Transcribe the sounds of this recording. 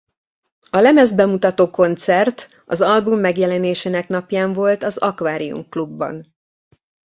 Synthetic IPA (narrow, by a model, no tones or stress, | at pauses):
ɒlɛmɛzbɛmut̪ɒt̪oːko̞nt̪sɛrt̪ | ɒ̰zɒlbumːɛɡjɛlɛneːʃeːnɛknɒpjaːɱvo̞lt̪ɒzɒkʋaːɾiṵmklubːɒ̰n